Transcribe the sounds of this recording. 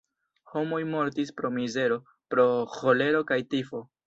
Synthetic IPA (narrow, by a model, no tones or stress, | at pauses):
ho̞mo̞jmo̞ɾtispɾo̞mize̞ɾo̞ | pɾo̞ho̞le̞ɾo̞kajtifo̞